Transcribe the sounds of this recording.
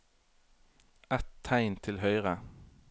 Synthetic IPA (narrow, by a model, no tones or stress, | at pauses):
ɛt̪ʰːæɪnt̪ʰɪlhœʏʁə